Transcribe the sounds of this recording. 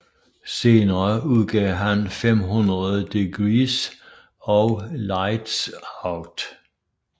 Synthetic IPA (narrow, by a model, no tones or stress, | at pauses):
se̝ːnɐuð̰ˠɡ̥ɛːɦænfemɦunʁɐð̩ˠd̥eɡ̥ʁiːs | ɒʊlɑɪd̥sɑʊd̥